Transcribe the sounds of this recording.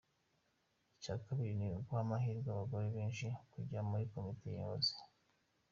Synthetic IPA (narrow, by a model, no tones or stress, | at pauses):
icakaβiɾiniukwohamaɦiːɾɡwaβaɡo̞ɾeβeːnʃikuɟiamuɾiko̞mite̞jḭβozi̥